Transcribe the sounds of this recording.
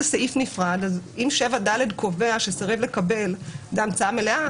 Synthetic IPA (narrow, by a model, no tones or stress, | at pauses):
saʔifnifʁad̪azimʃe̞vadale̞dkʰo̞ve̞aʃesaʁevle̞kabe̞ldeamt͡saamelea